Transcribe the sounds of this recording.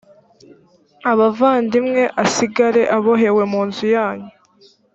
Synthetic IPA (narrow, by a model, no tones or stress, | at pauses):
aβavaːndimŋe̞ʔasiɡaɾe̞ʔaβoɦe̞we̞muːnzujaːɲu